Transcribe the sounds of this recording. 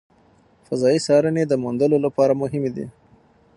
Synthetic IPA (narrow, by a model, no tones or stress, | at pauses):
fazɑisɑɾəned̪əmund̪əlolapɑɾamʊɦɪmed̪ḭ